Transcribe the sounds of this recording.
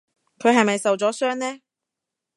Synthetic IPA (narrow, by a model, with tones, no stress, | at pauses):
kʰɵ˨˧ɥɦɐ˨jmɐ˨jsɐ˨wt͡sɔː˨˥sœː˥ŋnɛː˥